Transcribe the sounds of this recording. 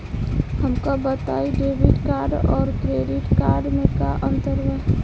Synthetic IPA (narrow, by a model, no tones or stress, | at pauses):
həmkabət̪aːiɖeːbɪʈkaːɾɖɔːɾkɾeːɖɪʈkaːɾɖmẽkaʔə̃nt̪əɾʋə